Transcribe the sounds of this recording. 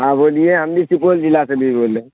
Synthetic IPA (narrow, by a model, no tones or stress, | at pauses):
ɦãːboːlijeɦɐmd̪isipoːld͡ʒɪlasebʱiboːle